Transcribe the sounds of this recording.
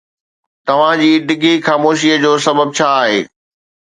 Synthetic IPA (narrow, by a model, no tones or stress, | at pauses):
t̪ɐʋ̤ãd͡ʑiːɖɪɡʱixaːmoːʃiəd͡ʑoːsɐbəb̚t͡ɕʰaːɦḛː